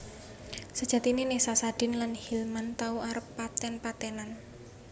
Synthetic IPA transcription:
səd̥ʒ̥ä̤t̪ininesasad̥ɪ̤nlanhilmant̪auaɾəpːat̪ɛnpat̪ɛnan

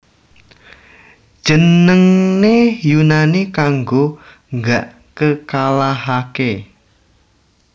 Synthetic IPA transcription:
d̥ʒ̥ənəŋnejunanikaŋɡo | ŋɡaʔ | kəkalaɦake

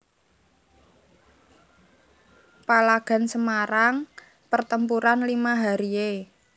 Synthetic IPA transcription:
palaɡ̥a̤nsəmaɾaŋ | pərt̪əmpuɾanlimaɦaɾie

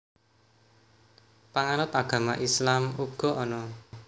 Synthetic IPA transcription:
paŋaɾʊt̪aɡ̥ä̤maʔislamuɡ̥ɔ̤ʔɔnɔ

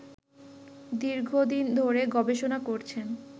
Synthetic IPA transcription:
d̪iɾɡʱod̪ind̪ʱoɾeɡɔbeʃonakoɾt͡ɕʰen

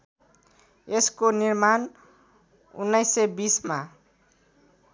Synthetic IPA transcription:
eskonirman | ṵnːajsebisma

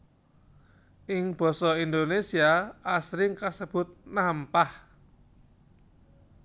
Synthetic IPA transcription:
ʔɪŋb̥ɔ̤sɔind̪onesiaasɾɪŋkasəb̥ʊ̤t̪̚nampah

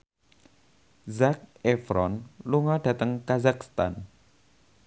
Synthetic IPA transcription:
zak̚efɾɔnluŋɔɖ̥ä̤t̪əŋkazak̚st̪an

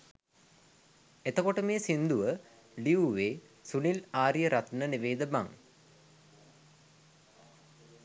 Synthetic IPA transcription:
et̪əkoʈəmeːsind̪uʋə | liuʋeː | sunilaːɾijəɾʔat̪nəniʋeːd̪əba̰ŋ

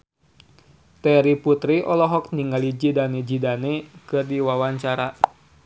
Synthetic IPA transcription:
t̪ɛɾiput̪ɾiʔɔlɔɦɔk̚niŋɡalid͡ʒidaned͡ʒidanekɨrdiwawaɲt͡ʃaɾa

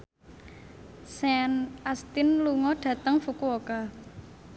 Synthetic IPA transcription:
sɛnʔast̪ɪnluŋɔɖ̥ä̤t̪əŋfukuwoka

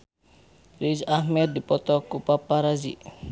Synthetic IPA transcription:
ɾid͡ʒahmɛd̪̚ːipɔt̪ɔkupapaɾazḭ

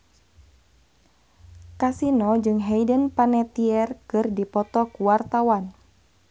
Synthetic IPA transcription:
kasinɔd͡ʒɨŋɦɛjdənpanɛt̪iɛrkɨrdipɔt̪ɔkuwart̪awan

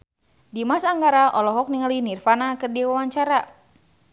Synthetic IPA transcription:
dimasaŋɡaɾaʔɔlɔɦɔk̚niŋalinirfanakɨrdiwawaɲt͡ʃaɾa

